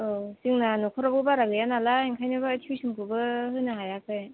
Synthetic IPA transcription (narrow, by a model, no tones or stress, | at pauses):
osiŋnanɔkʰɔɾɔbɯbaɾaɡɯjanalaeŋkʰajnɯbaːtʰiwsimkʰɯbɯɦɯnaɦajakʰɯj